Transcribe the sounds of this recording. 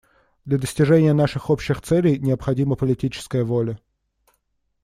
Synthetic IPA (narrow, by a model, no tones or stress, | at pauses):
d̪lʲɐd̪əsʲtʲɪʐɛnʲɪjənaʂɨxopɕːɪxt̪sɛlʲɪjnʲɪəpxɐdʲiməpəlʲɪtʲit͡ɕɪ̥skəjəvolʲə